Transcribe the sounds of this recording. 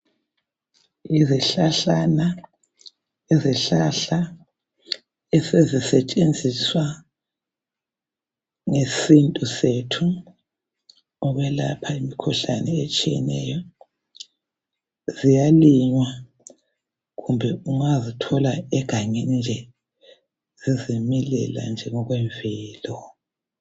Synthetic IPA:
iziɬaɬana | ɛziɬaɬa | ɛsezisɛt͡ʃʼend͡zʱiswa | ŋesintʼusetʰu | ɔβɛla̰pʰaimikʰuɬanɛet͡ʃʼijɛ̰nɛjɔ | zijaliɲwa | ɣumbʱɛuŋazitʰɔlaɛɡ̥ʱaŋɛnd͡ʒʱɛ | z̥izimilɛ̰la̰nd͡ʒʱɛŋɔɣwɛɱvɛːlɔ

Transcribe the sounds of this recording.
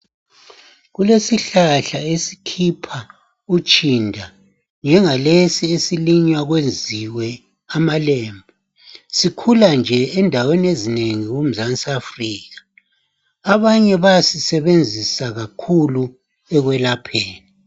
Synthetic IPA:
ɣulesiɬaɬaesi̥kʰipʰa | ut͡ʃʼindʱa | nd͡ʒʱɛŋalesiesiliɲwaɣwend͡zʱiwɛ | amaleːmbʱɔ | sikʰuland͡ʒʱɛːndʱaweniezineŋiɣum̩zansafriːɣḁː | βaɲɛβasisɛβend͡zʱisaɣakʰulu | ɛɣwɛlapʰeːni

